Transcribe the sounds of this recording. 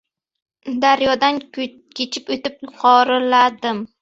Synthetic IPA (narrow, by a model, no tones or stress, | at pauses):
d̪aɾjɒd̪an | kʲʰet͡ʃʰɪpot̪ɪp̚qʰɒɾɪlad̪ɪm